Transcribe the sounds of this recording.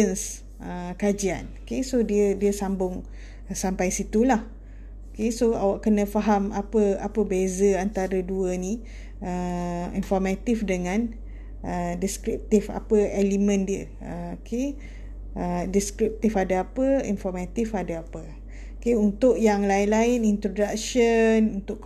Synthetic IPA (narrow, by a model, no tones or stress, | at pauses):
əns | əkad͡ʒia̰nokesodiədiəsambʊŋ | sampajsit̪ulah | okesoa̰waʔkənə̃faɦamapəapəbezəant̪aɾəduənĩ | əinfɔrmat̪ifdəŋãn | ədiskɾip̚t̪ifa̰pəelimə̃ndiə | əokʰe | ədiskɾip̚t̪ifadaapəḭnfɔrmat̪ifadaapə | keunt̪ʊʔjaŋlaɪnlaɪnint̪ɾodak̚ʃənunt̪ʊʔk